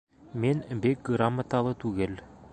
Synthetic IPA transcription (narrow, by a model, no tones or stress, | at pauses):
menbek̚ɡɾamːat̪ɑlˠət̪ʰʉɡʲel